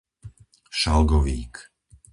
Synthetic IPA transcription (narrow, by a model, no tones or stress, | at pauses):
ʃalɡɔʋḭːk